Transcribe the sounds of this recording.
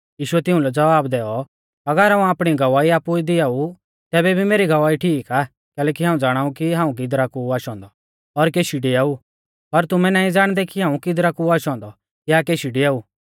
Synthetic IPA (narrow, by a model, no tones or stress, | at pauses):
jiːʃʊɛt̪ɪũlɛd͡zɐʋaːbd̪ɛːɔ | ɐɡəɾɦaːũaːpɽ̃iɡɐʋaːiaːpuid̪ɪaːu | t̪ɛːbɛbʱimeːɾiɡɐʋaːiʈʰiːkaː | kɛːlɛːkiɦãːũd͡zaːɽ̃aːũkiɦãːũk̬id̪ɾakuaːʃɔ̃ːnd̪ɔ | ɔɾkeːʃiɖiaːu | pɐɾt̪ʊmɛ̃nãːĩd͡zaːɽ̃d̪ɛkiɦaːũkid̪ɾakuaːʃɔ̃ːnd̪ɔ | kjaːkeːʃiɖiaːuː